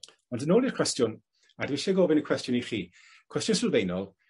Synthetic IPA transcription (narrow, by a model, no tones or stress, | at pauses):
ɔndənoːlˠirkʰw̥ɛstjʊn | adwɪʃɛɡoːbɪnəkʰw̥ɛstjʊniχiː | kʰwɛstjʊnsɪlˠvejnɔlˠ